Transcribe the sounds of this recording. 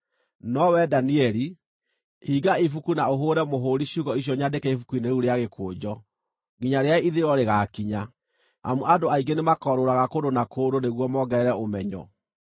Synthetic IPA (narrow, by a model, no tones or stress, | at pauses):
nɔwɛdaniɛɾi | hiɡaifukunaoɦoːɾɛmoɦoːɾiɕuɣɔiɕ̬jɔɲadekɛifukuineɾuɾeaɣekʰoːd͡ʑɔ | ɡiɲaɾeaiðeɾɔɾeɣakiɲa | a̰muʔadoaiɡenemakɔɾoɾaɣakodonakoːdoneɣwɔmɔɡɛɛɾɛomɛɲɔ̰